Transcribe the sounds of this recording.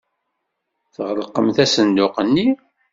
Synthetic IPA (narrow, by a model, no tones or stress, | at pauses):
θəʁləqːəmθæsənd̪ʊqənːi